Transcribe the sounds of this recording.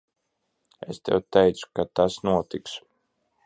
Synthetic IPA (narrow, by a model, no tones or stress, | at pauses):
ḛst̪ɛ̰wt̪ɛjt̪su̥kat̪asnuɔt̪iks